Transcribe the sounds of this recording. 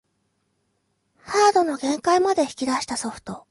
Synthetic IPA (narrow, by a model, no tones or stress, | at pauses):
haːd̪o̞no̞ɡẽ̞ŋkaimad̪e̞çʲi̥kʲid̪aɕi̥t̪aso̞ɸɯ̟̥t̪o̞